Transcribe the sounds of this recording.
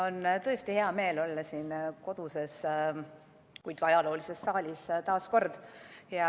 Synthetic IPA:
o̞nt̪ɤest̪ihe̞ɑme̞ːlo̞lːɑsiːnko̞d̪̥use̞s | kujd̥̪̚kɑɑjɑlo̞ːlise̞sːɑːlʲist̪ɑːsko̞rd̪̥jɑ

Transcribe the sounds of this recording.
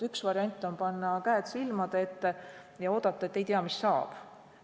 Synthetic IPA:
yksvɑɾiɑnʲt̪ʲːˑo̞npɑnːɑkæːt̪silmɑd̪̥eet̪ːe̞ | jɑo̞ːd̪̥ɑt̪ːˑɑet̪ːˑe̞jt̪iɑmisːɑːb̥

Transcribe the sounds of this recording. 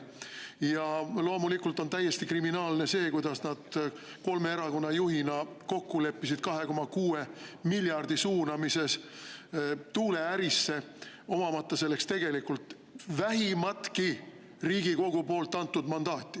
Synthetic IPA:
jɑlo̞ːmulikːˑult̪ːˑo̞nt̪æjːe̞st̪ikriminɑːlne̞se̞ːkujd̪̥ɑsnɑd̪̥ko̞lme̞eɾɑko̞nːɑjuɦinɑko̞kːule̞pːisid̪̥kɑɦe̞ko̞mɑkuːemilʲjɑrd̪isuːnɑmise̞s | t̪uːle̞æɾisːe̞ | o̞mɑmɑt̪ːɑse̞lːe̞kst̪e̞ɡ̥e̞likult̪ˑ | væɦimɑt̪ki | riːɡiko̞ɡ̥upo̞ːlt̪ːˑɑnt̪ːud̪mɑnd̪ɑːt̪ʲːˑi

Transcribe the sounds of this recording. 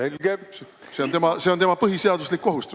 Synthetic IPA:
elɡe̥se | se̞ont̪e̞mɑse̞ot̪e̞mɑpɤɦise̞ɑd̪̥uslikːo̞ɦust̪u

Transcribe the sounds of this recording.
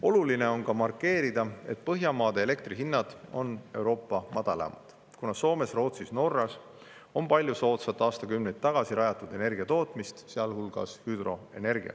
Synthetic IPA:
o̞luline̞o̞nkɑmɑrkːe̞ːɾid̪̥ɑe̞t̪pɤɦjɑmɑːd̪eːle̞kt̪riɦinːɑd̪̥o̞ne̞wɾo̞ːpːɑmɑd̪̥ɑlɑ̰mɑ̰d̪̥ | kunɑso̞ːme̞sro̞ːt̪sisno̞rːɑs | o̞mpɑlʲjuso̞ːt̪sɑt̪ːˑɑːst̪ɑkymnejt̪̚t̪ːɑɡ̥ɑsiɾɑjɑt̪ːˑud̪̥e̞ne̞rɡ̥iɑt̪o̞ːt̪mist̪seɑlhulɡ̥ɑ̰shyːd̪̥ro̞e̞̰ne̞rɡḭɑ̰

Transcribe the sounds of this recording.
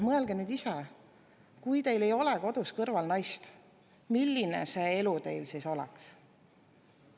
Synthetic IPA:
mɤe̞lɡ̥e̞nyːd̪isɛ | kujt̪e̞jle̞jo̞leko̞d̪̥uskɤrvɑlnɑjst̪ | milːinḛse̞elut̪e̞jlsiːso̞lɛ̰ks

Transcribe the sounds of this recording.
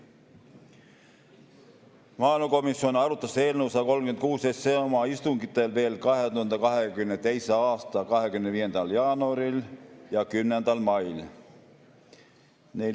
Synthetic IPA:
mɑːilmɑko̞misːionɑɾut̪ːˑɑselnuːsɑɑko̞lmkyent̪̚kuːsesːeomɑist̪uŋɡit̪ːˑelve̞ːlkɑɦet̪uhɑnd̪ɑkɑɦekymnet̪e̞jseɑːst̪ɑkɑɦekymend̪viːje̞nd̪ɑljɑːnuɑɾiljɑkymːend̪ɑlmɑjl | ne

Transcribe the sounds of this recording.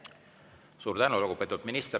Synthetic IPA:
suːɾd̪ænulukupe̞t̪ud̪̥minist̪e

